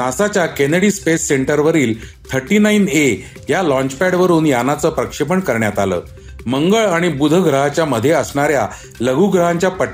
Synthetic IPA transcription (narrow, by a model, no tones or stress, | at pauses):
nasat͡ɕjakeneɽiːspesːeɳʈəɾʋəɾiːl | t̪ʰəɾʈiːnaine | jalɔ̃ɲt͡ɕpæɽʋəɾuːnjanːat͡səːpɾəkʂip̬əɳkəɾɳjat̪alə̰ː | məŋɡəɭaɽ̃ibud̪ʱəɡɾəɦat͡ɕjaməd̪ʱːjeəsɳaɾja | ləɡʱuːɡɾəɦaɲt͡ɕjapəʈː